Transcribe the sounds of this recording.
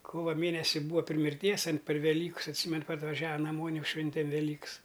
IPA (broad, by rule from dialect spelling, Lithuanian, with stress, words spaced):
ˈkoːʋɐ ˈmʲeːnʲɛsʲɪ ˈbuːʋɐ pʲrʲɪ mʲɪrʲˈtʲiɛs ɐn pʲɛr ʋʲɛˈlʲiːkɐs ɐtʲˈsʲiːmʲɛn pɐrʋɐˈʒʲæːʋɐ nɐˈmoːnʲ ˈjɛʊ ˈʃʲʋʲɛnʲtʲɛm ʋʲɛˈlʲiːks